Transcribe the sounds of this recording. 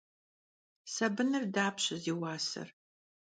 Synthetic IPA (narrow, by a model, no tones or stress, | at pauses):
sɐbɨnɨrdaːpɕɪziːwaːsɨ̰r